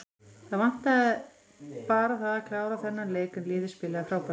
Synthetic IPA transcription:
θaðvan̥t̪að | paːɾaθaðakʰlaːwɾaθɛnːaɾleːjkʏmlɪːðɪspɪːlaɣafɾaːwpa

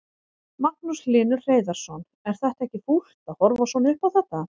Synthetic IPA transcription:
maknuslɪːnʏɾr̥eːjðaɾ̥sɔn | ɛɾ̥θɛht̪ɛhcɪful̥t̪ahɔɾvasɔnɪʏhpawθɛht̪a

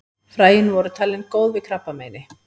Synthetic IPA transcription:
fɾaːjɪnvɔɾʏt̪ʰaːlɪnkoːwðvɪkʰɾapːameːjnɪ

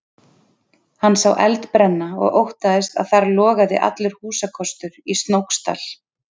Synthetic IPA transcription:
hanːsawʔɛ̰lt̪pɾɛnːaɔ̰ɣowht̪aðɪst̪a̰ðθaɾlɔːɣaðɪ̰ʔa̰t̪lʏɾ̥huːsakʰɔst̪ʏɾist̪nowkst̪a̰l̥

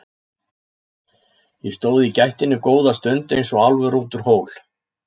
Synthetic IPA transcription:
jɛst̪oːwðɪicajht̪ɪnːʏkoːwðast̪ʏnt̪ejnsɔalvʏɾuːt̪ʏɾ̥hoːwl

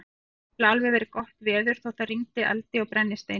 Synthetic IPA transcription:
laːlvɪvɛɾɪkɔht̪vɛːðʏɾ̥θowθariŋt̪ɪʔɛ̰lt̪ɪawpɾɛnːɪst̪ej

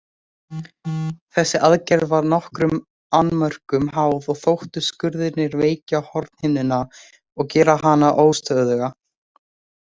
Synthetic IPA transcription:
θɛsːɪʔaðcɛɾðvaɾnɔhkɾʏm | anːmœr̥kʏmɦaːwðɔɣθowht̪ʏskʏɾðɪt̪nɪɾveːjcahɔɾt̪nhɪnːɪna | ɔɣcɛːɾaɦanaʔoːwst̪œððɛɣa

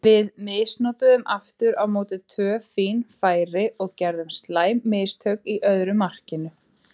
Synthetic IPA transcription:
vɪðmɪːsnɔːt̪ʏðʏmaft̪ʏɾawmoːwt̪ɪt̪ʰvœːfiːnfaːjɾɪɔɣcɛɾðʏmst̪laːjmːɪːst̪ʰœkiʔœðɾʏmar̥cɪnʏ

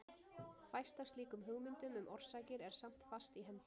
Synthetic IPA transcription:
fajst̪ast̪liːkʏmɦʏɣmʏnt̪ʏmʏmʔɔr̥saːjcɪɾɛɾ̥sam̥t̪fast̪iɦɛm

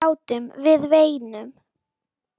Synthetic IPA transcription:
aːwt̪ʏmvɪðveːjnʏm

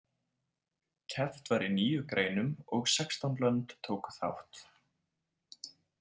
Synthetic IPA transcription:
cʰɛft̪vaɾiniːjʏkɾeːjnʏmɔɣsɛkst̪ɔnplœnt̪t̪ʰoːwkʏ̥θa̰wht̪

